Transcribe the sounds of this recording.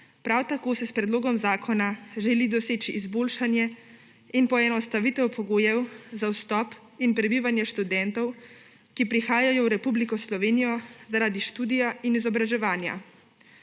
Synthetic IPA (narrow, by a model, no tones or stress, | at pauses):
pɾawt̪akoːsɛspɾɛd̪loːɡɔmzaːkʰɔnaʒɛlid̪ɔseːt͡ʃiʔːzboːlʃanjɛ | inpɔɛnɔst̪aʋit̪ɛwpʰɔɡoːjɛwzawst̪ɔp | inpɾɛbiːʋanjɛʃt̪ud̪ɛnt̪ɔw | kipɾixaːjajɔwɾɛpublikɔslɔʋeːnijɔzaɾaːd̪iʃt̪uːd̪ijainizɔbɾaʒɛʋaːnja̰